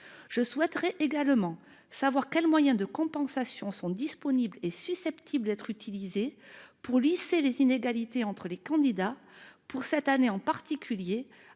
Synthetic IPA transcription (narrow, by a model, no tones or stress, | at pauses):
ʒ̥əswɛt̪əʁɛʔeɡalmɑ̃ | savwaʁkʲɛlmwajɛ̃d̪əkɔ̃pɑ̃sasjɔ̃sɔ̃d̪ispɔniblesysɛpt̪ʰibləd̪ɛt̪χyt̪ʰilizepuʁliselezineɡalit̪eɑ̃t̪χəlekɑ̃d̪id̪apuʁsɛt̪aneɑ̃paʁt̪ikʲylje